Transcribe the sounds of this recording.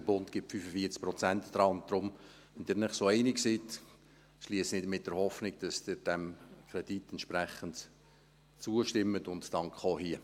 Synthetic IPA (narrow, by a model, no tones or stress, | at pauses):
bʊntkɪp̚fyfəfiət͡sk̚pɾɔt͡sæntd̪̥ɾɑːʊnttdɾʊm | ʋɛnd̥ɪːɾnɪχsoɛɪnɪksit | ʃliəsnɪdmɪt̚d̥ɛɾhɔfnɪɡd̥ɑsd̥ɪɾd̥ɛmkʰɾɛd̥itɛntʃpræχənt | t͡suəʃtɪmːətʊntːɑŋkχoːhiə